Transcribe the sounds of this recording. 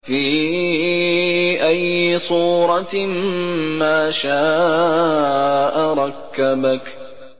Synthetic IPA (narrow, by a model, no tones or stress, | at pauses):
fiː | ʔajːɪsˤuːɾˤɑ | maːʃaː | ʔaɾˤɑkːabak